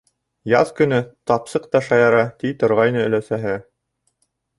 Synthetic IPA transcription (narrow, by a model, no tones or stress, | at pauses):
jɑðkɵ̆nɘt̪ɑpsɤq̚t̪ɑʃɑjɑɾɑt̪it̪ŏɾʁɑjnɤɵ̆læsæɦɘ